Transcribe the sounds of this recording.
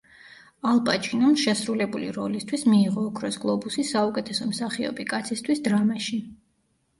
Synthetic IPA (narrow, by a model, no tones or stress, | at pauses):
alˠpʼat͡ʃʼinamʃɛsɾulɛbulḭɾɔlist̪ʰwismiːʁɔːkʰɾɔsɡlˠɔbusisaukʼɛt̪ʰɛsɔmsaχiɔ̰bikʼat̪sʰist̪ʰwisd̪ɾamaʃi